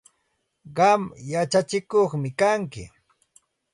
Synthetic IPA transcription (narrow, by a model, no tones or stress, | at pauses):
ɢɑmjat͡ʃat͡ʃɪkoχmɪkaŋkɪ̰